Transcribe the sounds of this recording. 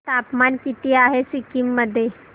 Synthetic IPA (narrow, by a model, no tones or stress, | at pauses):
t̪aːpmaːnkit̪ijaɦesikimːəd̪ʱe